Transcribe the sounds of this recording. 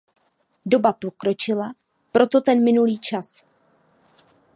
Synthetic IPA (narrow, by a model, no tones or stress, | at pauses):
do̞bapo̞kɾo̞t͡ʃɪla | pɾo̞t̪o̞t̪ɛnmɪnuliːt͡ʃas